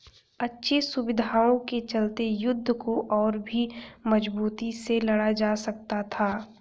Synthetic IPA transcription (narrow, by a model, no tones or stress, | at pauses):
ɐtːʃʰesʊbɪd̪ʱaːõket͡ʃɐlt̪ejʊd̪ʱːəkoʔɔːɾbʱimɐd͡ʒbuːt̪iselɐɽad͡ʒaːsɐk̚t̪at̪ʰaː